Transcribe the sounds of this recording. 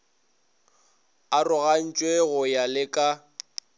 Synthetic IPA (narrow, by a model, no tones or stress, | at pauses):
arʊɣan̩t͡ʃʼweɣʊjalɪkʼa